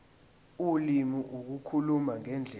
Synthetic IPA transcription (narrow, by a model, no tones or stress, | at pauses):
ulimiʔuk̬ukʰulumaŋɛnd͡ɮʱɛ